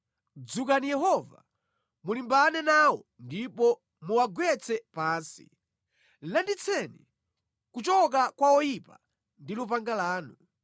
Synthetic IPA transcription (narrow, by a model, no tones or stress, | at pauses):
d͡zukanijɛɦɔva̰ | mulimbanɛnawɔndipɔ | muwaɡwɛt͡sʰɛpaːnsḭ | landit͡sʰɛni | kut͡ʃɔk̬akwaɔjipa | ndilup̬aŋɡalaːnu